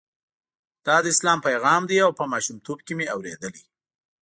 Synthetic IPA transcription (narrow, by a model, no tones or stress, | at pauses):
d̪̥ɑd̪əɪslɑmpajɣɑmd̪iawpəmɑʃumt̪ob̚kemeawɾed̪əli